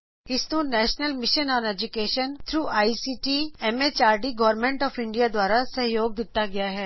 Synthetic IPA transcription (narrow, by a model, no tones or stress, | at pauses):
ɪsnũnɛːʃnəlmɪʃənɔ̃ːnɛd͡ʒʊkeːʃənt̪ʰɾuːʔaːisiːʈiɛmeːt͡ʃaːɾɖiɡɔːɾmẽɳʈɔːfɪ̃ɳɖijad̪waːɾasɐɦjoːɡ̚d̪ɪt̪aɡɐjaɦɛː